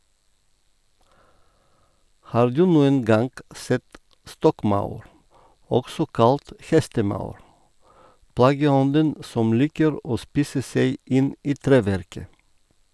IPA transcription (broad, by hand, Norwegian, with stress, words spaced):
ˈhɑːɾ ˈdʉː ˈnuːən ˈɡɑŋɡ ˈsɛt ˈstɔkˌmɑʉɾ ˈɔksɔ ˈkɑlt ˈhɛstəˌmɑʉɾ ˈplɑːɡəˌɔndən ˈsɔm ˈliːkəɾ ˈoː ˈspiːsə ˈseɪ ˈɪn ˈiː ˈtɾeːʋæɾkə